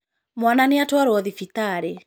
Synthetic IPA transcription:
mwananɪatwaɾwɔðifit̪aɾe

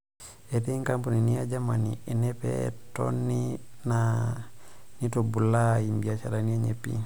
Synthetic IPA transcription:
etiŋkampuniniad͡ʒamanḭenepḛto̰nːina | nitobulaimbiat͡ʃa̰ɾaniaɲepḭ

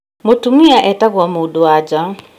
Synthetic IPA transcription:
motumiaʔɛtaɣwamudoad͡ʒa

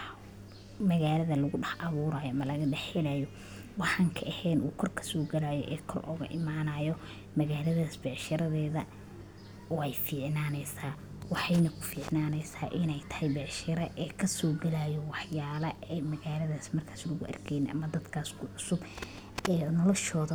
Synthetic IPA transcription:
mɐɣaːlɐðɐlɐɣʊɖɑħɑβuːɾaːjɔɐmɐlɐɣɐɖɛħɛlaːjɔ | wɑħɑŋkʰɐʔɛhɛːnuːkʰɔrkʰɐ̥sɔːɡɐlaːjɔ̰ʔɛːkʰɔrʔɔ̰ːɣɐ̰ʔɪmaːnaːjɔ | mɐɣaːlɐðaːsbɛːʕʃɐɾɐðɛːðɐ | ɔːɛjfiːʕnaːnɛjsaː | wɑħɑjnɐkʰʊ̥fiːʕnaːnɛjsaːʔɪnɛjt̪ʰɐ̥hɛjbɛʕʃɐɾɐʔɛːkʰɐsɔːɡɐlaːjɔwɑħjaːlɐɛmɐɣaːlɐðaːsmɐrkʰaːslɐɣʊʔɐ̰rkʰɛjnɛʔɐ̰mɐd̪ɐd̪kʰaːskʰʊʕʊsʊb | ɛːnɔlɔʃɔːðɐ

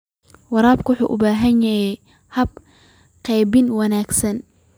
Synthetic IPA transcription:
wɑɾaːb̚kʰwʊħṵːʔʊbaːɦɐnjɐhɛj | hɐb̚ | qɛjbɪnwɑnaːɡsɐn

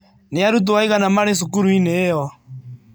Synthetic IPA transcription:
neaɾut̬uwaiɣanamaɾes̬ukuɾuinejɔ

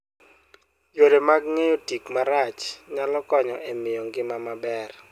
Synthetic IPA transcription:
joɾemaɡŋejotikmaɾat͡ʃɲalɔkɔɲɔɛmɪjɔŋɡɪmamabɛr

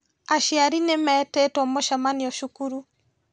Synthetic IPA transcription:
aʃiaɾinemɛːtɛtwɔmoʃamaniɔʃukuɾu

